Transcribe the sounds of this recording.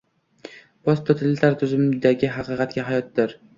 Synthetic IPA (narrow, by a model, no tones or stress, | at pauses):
b̥ɒst̪ʰot̪ʰalɪt̪ʰaɾt̪ʰʊzɪmd̪aɡʲɪɦɑqɨqʰɑt̪̚ɡʲaɦajɒt̪̚d̪ɪɾ